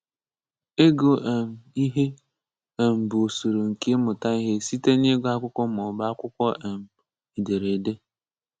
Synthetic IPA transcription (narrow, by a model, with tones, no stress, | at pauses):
e˦ɡo˨ʔe˨m̩˨i˦ɦe˦ | e˨m̩˨bo˨su˨ɾo˨ŋ̩˨ki˦e˦mʊ˨ta˦i˦ɦe˦si˦te˦ne˦ɡʷa˦kʷʊ˦kʷɔ˦m˨ʊ˨ba˦a˦kʷʊ˦kʷɔ˦ʔe˨m̩˨ | i˨de˨ɾe˨de˦